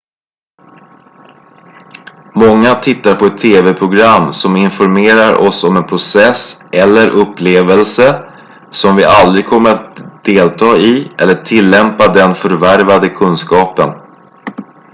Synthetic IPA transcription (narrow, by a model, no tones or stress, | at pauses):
mɔŋːat̪ʰɪt̪ːaɾpʰɔɛt̪ʰːeːvɛpʰɾʊɡɾamːsɔmɪnfɔɾmeːɾaɾʔɔ̰sɔmɛnpʰɾʊsɛsʔɛlːəɾʔɵpːleːvəlsə | sɔmvɪʔald̪ɾɪɡ̚kʰɔmːəɾat̪̚d̪eːlt̪ʰɑːɪʔɛ̰lːəʈʰɪlːɛmpad̪ɛnfœɾvæɾvad̪əkʰɵnskɑːpən